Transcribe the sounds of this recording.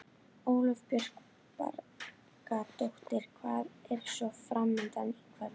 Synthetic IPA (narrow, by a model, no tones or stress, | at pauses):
oːwlœvpjœr̥k | pa̰ɾ | kat̪owxt̪ɪɾ̥kʰvaːðɛɾ̥sɔfɾamːɪnt̪anikʰvɛl